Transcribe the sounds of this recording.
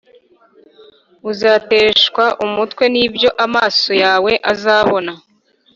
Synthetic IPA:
uzaːteːʃkwaʔumutkwe̞niːbjo̞ʔamaːso̞jaːwe̞ʔazaːβo̞na

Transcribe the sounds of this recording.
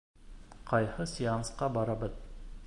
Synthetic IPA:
qɑjhɤsʲiansqɑbɑɾɑbɤð

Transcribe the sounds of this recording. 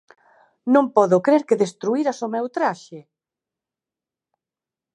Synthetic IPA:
nõmpɔðʊkɾeɾkeðest̪ɾuiɾasomɛwt̪ɾaʃɪ

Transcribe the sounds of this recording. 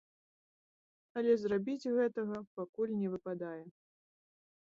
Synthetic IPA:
ɐlʲɛzrabʲid͡zʲɣɛt̪ɐɣɐpakulʲnʲɛvɨpad̪ajɛ

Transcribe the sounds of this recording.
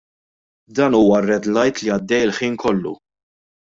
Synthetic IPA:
d̪ɐːnuːwɐrɛd̪lɐjt̪liɐd̪ːɛjɪlħiːnkʰɔlːṵ

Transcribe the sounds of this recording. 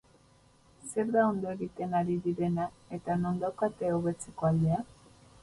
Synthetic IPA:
se̞ɾðao̞nd̪o̞eɣit̪e̞naɾiðiɾe̞na | e̞t̪ano̞nd̪awkat̪eoβe̞t͡se̞ko̞ald̪e̞a

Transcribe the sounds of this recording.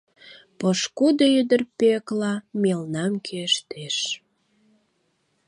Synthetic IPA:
pəʃkud̪oyd̪ərpeklɑmelnɑmkʰeʃt̪eʃ

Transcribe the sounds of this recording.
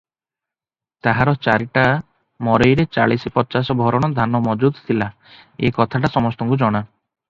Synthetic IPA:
t̪aɦaɾɔt͡ʃaɾiʈa | mɔɾɔjɾet͡ʃaɭisipɔt͡ʃasɔbʱɔɾɔɽ̃ɔd̪ʱanɔmɔd͡ʒud̪t̪ʰila | ḛkɔt̪ʰaʈasɔmɔst̪ɔŋkud͡ʒɔɽ̃a

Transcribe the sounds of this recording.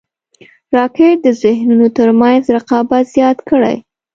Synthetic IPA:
ɾɑkeʈ̚d̪əzɪhnunot̪əɾmanzɾaqɑbat̪z̥jɑt̪kəɽa̰j

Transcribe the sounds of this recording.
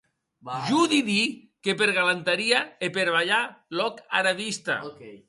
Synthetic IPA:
ʒuðiði | kep̬eɾɣalant̪aɾiaepeɾβaʎalɔka̰ɾaβist̪a̰

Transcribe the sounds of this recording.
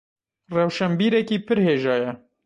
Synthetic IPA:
rɛwʃɛmbiːɾɛkiːpʰɨɾheːʒɑːjɛ

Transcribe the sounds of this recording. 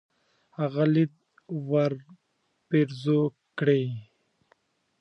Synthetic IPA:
aɣalid̪̚ | waɾ | peɾzo | kɽe

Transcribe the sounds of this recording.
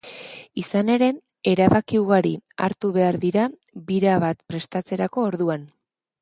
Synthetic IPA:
isane̞ɾe̞ | eɾaβakiuɣaɾia̰ɾt̪uβe̞aɾðiɾa | βiɾaβat̪pɾe̞st̪at͡se̞ɾako̞ːɾðuan

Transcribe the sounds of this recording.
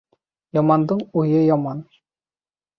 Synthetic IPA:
jɑmɑnd̪ɤɴujɤjɑmɑn

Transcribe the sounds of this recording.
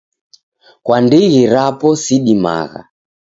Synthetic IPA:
kwandiɣiɾapɔsiɗima̰ɣa̰

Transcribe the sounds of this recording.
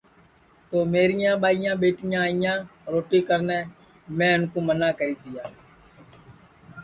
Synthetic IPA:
t̪oːmeːɾɪjãːɓaːɪjãːɓeːʈɪjãːɪjãːɾoːʈiːkəɾneː | mɛ̃ːʊnkoːmənaːkəɾiːd̪ɪjaː

